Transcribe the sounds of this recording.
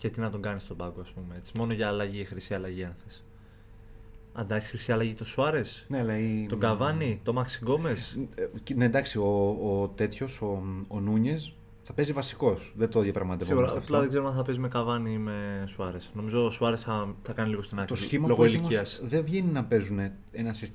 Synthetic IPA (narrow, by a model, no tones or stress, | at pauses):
ce̞t̪inɐt̪o̞ɡɐnist̪obɐɡoɐspumee̞t͡si̥mo̞no̞ʝɐːlɐʝixɾisiɐlɐʝienθes | ɐnd̪ɐksi̥xɾisiɐlɐʝit̪o̞suɐɾe̞snelɐio̞ɡɐvɐnit̪o̞mɐksiɡo̞me̞sne̞d̪ɐksioːt̪e̞t̪ço̞soːnuɲe̞s | θɐpe̞zivɐsi̥ko̞sðet̪oðjɐpɾɐɣmɐt̪eiɣuɾɐplɐðeɡze̞ɾoɐθɐpe̞zime̞kɐvɐnime̞suɐɾe̞sno̞mizo̞ːsuɐɾesθɐθɐkɐniliɣo̞st̪inɐkt̪osçimɐloɣoilimiɐssðevʝeninɐpe̞zune̞ | enɐsis